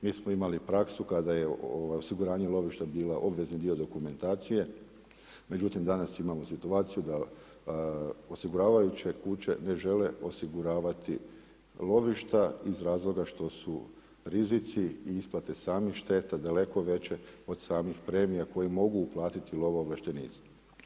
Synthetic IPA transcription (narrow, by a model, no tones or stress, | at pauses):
miːsmo̞imalipɾaksukad̪ajeoʋajo̞siɡuɾaːɲelˠo̞ʋiʃt̪abiːlaʔo̞bʋe̞znid̪io̞d̪o̞kume̞nt̪aːt̪sije̞ | me̞d͡ʑut̪imd̪anasimamo̞sit̪uaːt̪sijud̪a | o̞siɡuɾaːʋajut͡ɕe̞kut͡ɕe̞̰ne̞ʒe̞le̞o̞siɡuɾaːʋat̪i | lˠo̞ʋiʃt̪aizɾaːzlˠo̞ɡaʃt̪o̞su | ɾizit̪siːisplˠat̪e̞saːmixʃt̪e̞t̪ad̪ale̞ko̞ʋe̞t͡ɕe̞o̞d̪saːmixpɾe̞ːmijako̞jimo̞ɡuːplˠaːt̪it̪ilˠo̞ʋaoʋlˠaʃt̪e̞nḭːt̪sḁ